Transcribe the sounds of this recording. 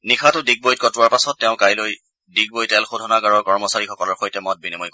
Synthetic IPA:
nikʰatʊdiɡ̚bojt̚kɔtʊwaɹpasɔtːɛʊ̃kajloj | diɡ̚bojtɛlxodʱɔnakaɹɔkɔɹmɔsaɹixɔkɔlɔɹxojtɛmɔt̚binimɔjk

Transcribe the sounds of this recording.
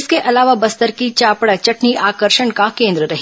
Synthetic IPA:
skeʔɐlaːʋabɐst̪əɾkit͡ʃaːpɽat͡ʃɐʈniʔaːkəɾʃəɳkakẽːnd̪ɾəɾɐɦ

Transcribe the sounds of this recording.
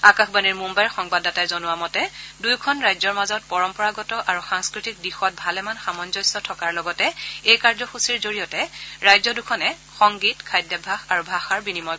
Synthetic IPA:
akaxbaniɹmumbajɹxɔŋbadatajzɔnʊwamɔtɛdujkʰɔnɹajzɔɹmazɔt̚pɔɹɔmpɔɹaɡɔtɔʔaɹuxaŋskɹitik̚dixɔt̚bʱalɛmanxamɔnzɔjsɔtʰɔkaɹlɔɡɔtɛejkaɹzɔxusiɹzoɹijɔtɛɹajzɔdukʰɔnɛ | xɔŋɡitkʰajdjabʱaxaɹubʱaxaɹbinimɔj

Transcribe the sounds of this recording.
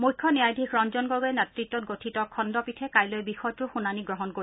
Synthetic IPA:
mujkʰːɔnijajdʱikʰɹɔnzɔnɡɔɡɔɛnɛtɹitːɔt̚ɡotʰitɔkʰɔndɔpitʰɛkajlojbixɔjɔtʊɹxunaniɡɹɔɦɔnkoɹi

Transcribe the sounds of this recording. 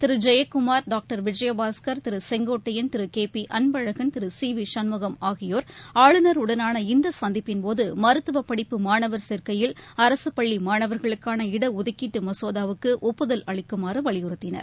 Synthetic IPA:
t̪ɪɾɯd͡ʒɛjɐkːʊmaːɾɖaːk̚ʈɐɾʋɪd͡ʒɐjɐbaːskɐɾt̪ɪɾɯsɛŋɡoːʈːɐjɪnt̪ɪɾɯkeːpiʔɐnbɐɻɐɣɐnt̪ɪɾɯsiːʋiʂɐnmɐɣɐmaːɣɪjoːɾaːɭɯnɐɾʊɽɐnaːnɐɪnd̪ɐsɐnd̪ɪpːɪnpoːðɯmɐɾɯt̪ːɯʋɐpːɐɽɪpːɯmaːɳɐʋɐɾsɛɾkɐjɪlɐɾɐsɯpɐɭːimaːɳɐʋɐɾɣɐɭɯkːaːnɐɪɽɐʊðɐkːiʈːɯmɐsoːðaːʋɯkːɯʔɔpːɯðɐlɐɭɪkːɯmaːɾɯʋɐɭɪjɯɾɯt̪ːɪnɐ̰ɾ

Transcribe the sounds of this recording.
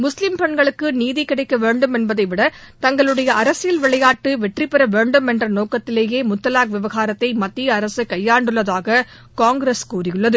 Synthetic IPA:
mʊslɪmpɛɳɡɐɭɯkːɯniːðikɪɽɐɪkːɐʋeːɳɖɯmɛnbɐðɐɪʋɪɽɐt̪ɐŋɡɐɭɯɽɐjɐɐɾɐsɪjɪlʋɪɭɐjaːʈːɯʋɛʈripːɛɾɐʋeːɳɖɯmɛndrɐnoːkɐt̪ːɪleːjeːmʊt̪ːɐlaːkʋɪʋɐɣaːɾɐt̪ːɐɪmɐt̪ːijɐɐɾɐsɯkɐjːaːɳɖɯɭːɐðaːɣɐ | kaːŋɡɾeskuːrɪjɯɭːɐðɯ

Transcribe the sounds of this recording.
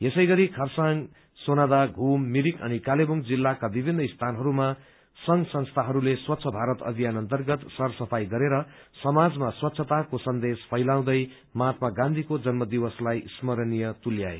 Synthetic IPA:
jesʌjɡʌɾikʰʌrsaŋ | sonad̪aɡʱumːiɾikʌ̰nikalebuŋd͡zilːakabibʱinːʌist̪ʰanɦʌɾuma | sʌŋsʌnst̪ʰaɦʌɾuleswʌt̪ːsʰʌbʱaɾʌt̪ʌ̰b̪ʱijanʌnt̪ʌrɡʌt̪sʌrsʌpʰajɡʌɾeɾʌsʌmad͡zmaswʌt̪ːsʰʌt̪akosʌnd̪espʰʌjlaw̃d̪ʌj | mat̪maɡãnd̪ʱikod͡zʌnmʌd̪iwʌslajismʌɾnijʌt̪uljaḛ

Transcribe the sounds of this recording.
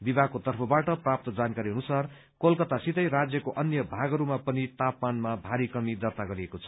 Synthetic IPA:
bibʱaɡkot̪ʌrpʰʌbaʈʌprap̚t̪ʌd͡zankaɾiʌnusar | kolkʌt̪asit̪ʌjɾad͡zjʌkoʔʌnjʌbʱaɡʌɾumapʌnit̪apmanmabʱaɾikʌmid̪ʌt̪aɡʌɾiekot͡sʰʌ̥

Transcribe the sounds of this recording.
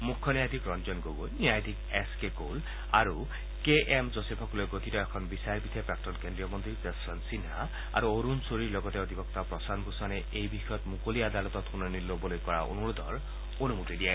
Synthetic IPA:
mukʰːɔnijad̪ʱikɾɔnd͡ʒɔnɡoɡuniajd̪ʱikeskeko̰l | aɾu | keʔemzosepʰɔkulojɡot̪itɔekʰɔnbisajɾbid̪ʰʱapɾak̚tɔnkend̪ɾijɔmɔnt̪ɾipesɾɔnsinɦa | a̰ɾuoɾunsoɾilɔɡɔt̪eɔt̪ibɔk̚t̪apɾɔsanbusɔne | ejbixɔjɔt̪mukoliad̪alɔt̪ɔt̪ʰunɔnilːobɔlojkɔɹa̰ʔo̰nuɾud̪ʱɔɹ | onumut̪id̪ie

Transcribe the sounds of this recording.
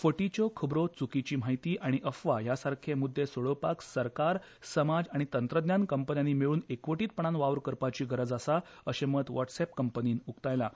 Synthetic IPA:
fəʈit͡ɕɔkʰəbɾot͡sukit͡ɕiːm̤aɦit̪iːʔaɽ̃iʔəfʋajasaɾkʰemud̪ʱːesoɭopaksəɾkaɾ | səmad͡zaɽ̃it̪ənt̪ɾəd̪njankəmpənjanːiːmiɭuːnekʋəʈiːt̪̚pəɳ̃anʋaʋɾkəɾpat͡ɕiːɡʱəɾəd͡zəsa | əɕemət̪ʋɔʈsepkəmpəniːnukt̪ajla

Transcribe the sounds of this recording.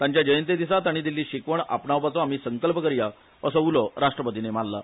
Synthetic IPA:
t̪ãɲt͡ɕjad͡ʑəjənt̪ed̪isat̪aɽ̃id̪ilːiːɕikʋəɳa̰pɳaʋpat͡sɔam̤iːsəŋkəlpəkəɾja | əsɔulɔɾaʂʈɾəpət̪inemalla̰

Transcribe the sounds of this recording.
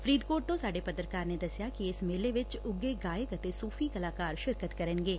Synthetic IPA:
fɾiːd̪koːʈ̚t̪õsaːɖepɐt̪ɾəkaːɾned̪ɐsjakiɪsmeːleʋɪt͡ʃʊɡːeɡaːekət̪esuːfʰikɐlaːkaːɾʃɪɾkət̪kɐɾə̃nɡeː

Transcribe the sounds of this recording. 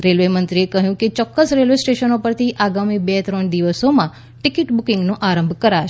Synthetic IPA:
ɾelʋemənt̪ɾiekəɦjũket͡ʃɔkːəsɾelʋesʈeʃənopəɾt̪ʰiʔaɡamibet̪ɾəɳd̪iʋəsomã | ʈɪkɪʈbukɪ̃ŋɡnõʔaɾə̃mbʱkəɾaʃ

